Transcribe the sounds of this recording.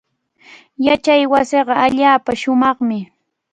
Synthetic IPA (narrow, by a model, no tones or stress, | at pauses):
jat͡ʃajwaseɢɑaʎaːpaʃʊmɑχmɪ